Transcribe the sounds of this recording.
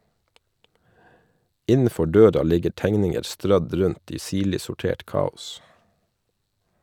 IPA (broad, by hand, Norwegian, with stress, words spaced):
ˈɪnəˌfɔ ˈɖøːɾɑ ˈlɪɡəɾ ˈtæŋnɪŋəɾ ˈstɾœd ˈɾʉnt ˈiː ˈsiːɭɪ sʊˈʈeːʈ ˈkɑːʊs